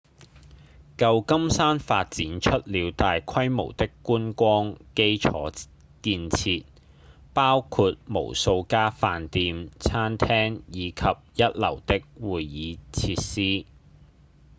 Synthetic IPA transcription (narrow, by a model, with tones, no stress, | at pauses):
kɐ˧wkɐ˥msaː˥nfaː˧t̚t͡siː˨˥nt͡ʃʰɵ˥t̚liː˨˧wt̪aː˨jkʰɐ˥jmo̰˨˩wt̪ɪ˥kːuː˥nkʷɔː˥ŋke˥jt͡ʃʰɔː˨˥ | kiː˧nt͡sʰiː˧t̚ | paː˥wkʰuː˧t̚mo̰˨˩wso˧wkaː˥faː˨˧nt̪iː˧mt͡sʰaː˥nt̪ʰɛː˥ŋjiː˨˧kʰɐ˨p̚jɐ˥t̚lɐ˨˩wt̪ɪ˥k̚wuː˨jːiː˨˧t͡sʰiː˧t̚siː˥